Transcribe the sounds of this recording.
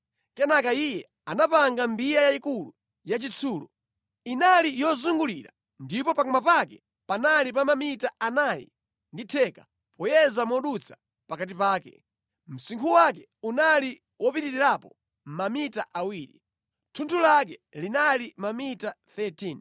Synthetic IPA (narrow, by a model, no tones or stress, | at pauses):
kɛnakaijɛ | anapaŋɡambijajaikulṵ | jat͡ʃit͡sʰuːlṵ | inalijɔzuŋɡuliɾa̰ | ndipɔpakɔmapakɛ | panalip̬amamitaanajḭ | nditʰɛkḁ | pɔjɛzamɔɗut͡sʰḁ | pakat̬ipaːkɛ̰ | m̩siŋkʰuwakɛ | unali | wʔɔpitiɾiɾapɔ | m̩mamitaʔawiːɾḭ | tʰuntʰulakɛlinalimamitaθɛtʰin